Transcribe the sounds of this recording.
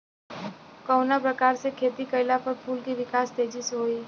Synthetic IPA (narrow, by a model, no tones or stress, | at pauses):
kɔːnapɾɐkaːɾsekʰeːt̪ikɐɪlapɐɾpʰuːlkiʋɪkaːst̪eːd͡ʒisɦoːiː